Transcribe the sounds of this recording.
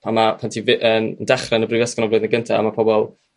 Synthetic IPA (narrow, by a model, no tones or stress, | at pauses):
amapʰɛntʰivʔəməndɛχrɛnəbrɨvɛskɔnɔvlʊːdnəɡəntʰa̰a̰mapʰɔbɔlˠ